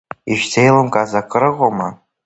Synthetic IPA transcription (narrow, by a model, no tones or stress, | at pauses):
iʃᶣzʰejlomkʼazakʼəɾɨʁʷoma